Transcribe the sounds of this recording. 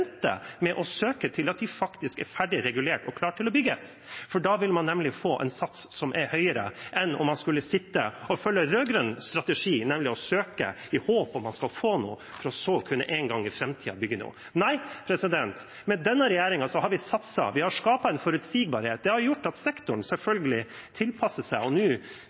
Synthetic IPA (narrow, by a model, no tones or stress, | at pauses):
nt̪ə̰mɛʔɔsøːkət̪ʰɪlɑt̪̚d̪ɪfɑkt̪ɪskɛ̰ɾfæɖɪɾɛɡʉleːʈɔkʰlɑːʈʰɪlɔbʏɡəs | fɔɖɑːʋɪlmɑnːɛmlɪfoːʔɛ̰nsɑt̪ssɔmʔɛɾhœʏəɾə̰ʔɛnɔ̰mːɑnskʉlːəsɪt̪ːə̰ɔfœlːəɾøːɡɾœnst̪ɾɑt̪ɛʂiːnɛmlɪɔsøːkə̰ | ɪhoːpɔmːɑnskɑlfoːnṵː | fɔɾɔsoːkʰʉnːə̰ʔɛŋɡɑŋːɪfɾɛmt̪ʰiːɑ̰bʏɡːənṵː | næɪpʰɾɛsɪd̪ɛnt̪ | mɛd̪ɛnːəɾɛjæːɾɪŋɑsɔhɑɾʋɪsɑt̪sɑ̰ʋɪhɑɾʂkɑːpɑɛnfɔɾʉt̪siːɡ̚bɑɾheːt̪̚d̪ɛhɑɾjʊʈːɑt̪sɛkt̪ʊɳ̩sɛlfœlɡəlɪ | t̪ʰɪlpʰɑsəsæɪɔnʉː